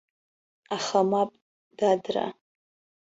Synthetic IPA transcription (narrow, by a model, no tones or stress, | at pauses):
aχamapʼ | d̥adra̰